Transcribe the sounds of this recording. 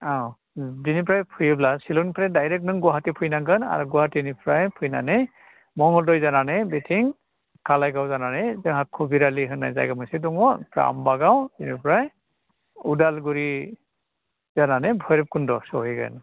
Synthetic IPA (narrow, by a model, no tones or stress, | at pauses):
aw | zinipɹajpʰujɯblasilɔnpʰɹajdajɾɛk̚nɯŋɡɔɦatipʰujnaŋɡɯna̰ɹuɡɔɦatinipɹajpʰujna̰nɛ | mɔŋɔldɔjzananɛjbetʰiŋ | kalajɡawzananajzɯɦakʰːɔbiɾaliɦɯnːa̰jza̰jɡamɔjsidɔŋɔpɹa̰a̰mbaɡawzinipɹaj | udalɡuɹi | z̥ananɛbʱɔjɾɛp̚kundɔsɔɦijɡɯ̰n